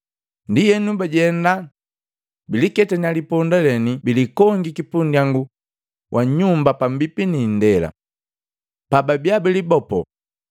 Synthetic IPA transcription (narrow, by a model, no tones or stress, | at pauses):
ndijɛnubaɟɛnda | bilikɛtaɲalipɔndalɛnibilikɔŋɡikipundiaŋɡu | wʔaɲumbapambipinin̩dɛla̰ | pababjabilibɔpɔ̰